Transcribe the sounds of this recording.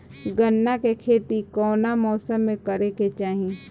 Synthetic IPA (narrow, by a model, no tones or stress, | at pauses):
ɡənːakekʰeːt̪ikɔːnamɔːsəmːẽkəɾeket͡ʃaːɦi